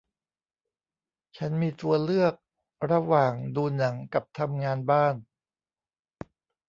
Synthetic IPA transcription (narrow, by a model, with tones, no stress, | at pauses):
t͡ɕʰa˦˥nmiː˧t̪u˧ɐlɯ˥˩ək̚ | ɾa˧waː˨˩ŋduː˧na˩˦ŋka˨˩p̚t̪ʰa˧mŋaː˧nbaː˥˩n